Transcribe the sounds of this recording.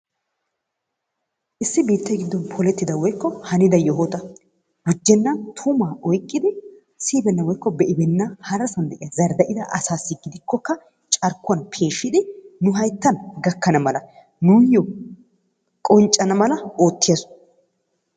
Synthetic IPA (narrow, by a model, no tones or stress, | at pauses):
ʔɪsːɪbiːt̪ːɐjɡɪd̪ːɔnpʰɔlɛt̪ːɪd̪ɐwɔjkːɔhɐnɪd̪ɐjɔɦot̪ɐ | ɡʊd͡ʒːɛnːɐnt̪ʰumaːʔɔjkʼːɪd̪ɪ | siːbɛnːɐwɔjkːɔbɛʔɪbɛnːɐhɐɾɐsɐnd̪ɛʔɪjɐzɐɾd̪ɐʔɪd̪ɐʔɐsaːsːɪɡɪd̪ɪkːɔkːɐ | t͡ʃʼɐɾkːʊɐnpʰe̞ːʃːɪd̪ɪnʊɦɐjt̪ːɐnɡɐkːɐnɐmɐlɐ | nujɔ | kʼɔnt͡ʃʼɐnɐmɐlɐo̞ːt̪ːɪjɐs